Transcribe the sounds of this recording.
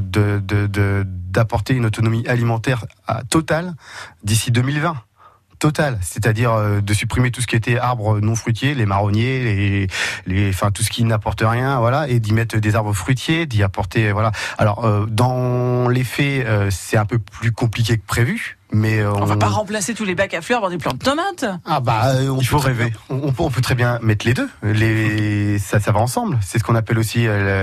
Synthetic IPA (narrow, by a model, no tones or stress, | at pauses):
d̪əd̪əd̪əd̪apɔʁt̪eynot̪ɔnɔmiʔalimɑ̃t̪ɛʁa̰t̪ɔt̪ald̪isid̪ømilvɛ̃ | t̪ɔt̪alset̪ad̪iʁød̪əsypχimet̪usə̥kʲiet̪ɛaʁbʁənɔ̃fχɥyt̪jelemaʁɔnjeleleɑ̃fɛ̃t̪us̬ə̥kʲinapɔʁt̪əʁjɛ̃vwalaed̪imɛt̪χd̪ezaʁbʁəfχɥit̪jed̪iapɔʁt̪evwalaa̰lɔ̰ʁød̪ɑ̃lefɛøsɛt̪ɛ̃pøplykɔ̃plik̬ʲekə̥pχevy | mɛøɔ̃vãpaʁɑ̃plaset̪ulebakaflœʁavwaʁd̪eplɑ̃d̪ət̪ɔmat̪abaøɔ̃ifoʁeveɔ̃ːpøɔ̃pøt̪χɛbjɛ̃mɛt̪χled̪øle | sasavaɑ̃sɑ̃blsɛs̬əkɔ̃napɛlosiøl